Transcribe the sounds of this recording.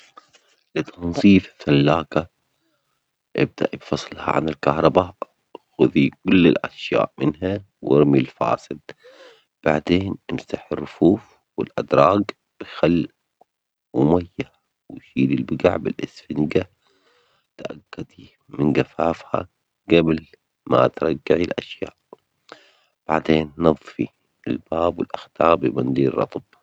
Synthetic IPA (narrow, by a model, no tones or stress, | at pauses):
lɪt̪ʰɑnsˤiːfθalːaːka | ʔɪ̰b̚d̪a̰ʔibfɑsˤlha̰ʕa̰nɪlkahɾˤɑba | xʊðikʊlːɪlʔaʃja̰ːʔmɪnɦa | wɪɾmilfa̰ːsɪd̪̥̚ | b̥aʕd̪eːnʔɪmsaħɪrːʊfuːf | wɪlʔad̪ɾˤɑːɡ | b̥xalː | wmajːa | wɪʃiːlilbɪɡa̰ʕbɪlʔɪsfɪnɡa | t̪ʔaɡːad̪i | mɪnɡafaːfha̰ | ɡabl | ma̰t̪ɾˤɑɡːaʕilʔaʃja̰ːʔ | b̥aʕd̪eːnːɑðˤfi | ɪlb̥aːbwɪlʔaxt̪ɑːbɪbɑnd̪iːɾːɑ̰t̪ˤb̥